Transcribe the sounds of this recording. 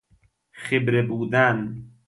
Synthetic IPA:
xebɾebuːd̪æn

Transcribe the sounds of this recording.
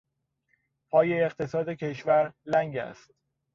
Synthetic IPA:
pʰɒːjeːɢt̪ʰe̞sɒːd̪e̞cʰe̞ʃvæɾlæŋɟæ̰st̪

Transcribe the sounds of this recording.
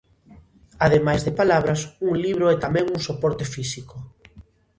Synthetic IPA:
aðemajzðɪpalaβɾɐsuŋliβ̞ɾoɛt̪amɛ̃ŋuŋsopɔɾt̪efisiko

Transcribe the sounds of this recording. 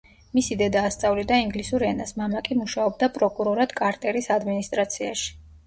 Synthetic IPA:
misid̪ɛd̪aːst̪sʼavlid̪aiŋɡlisuɾɛnasmamakʼimuʃaɔb̚d̪apʼɾɔkʼuɾɔɾad̪̥kʼaɾt̪ʼɛɾisad̪minist̪ʼɾat̪sʰiaʃi̥

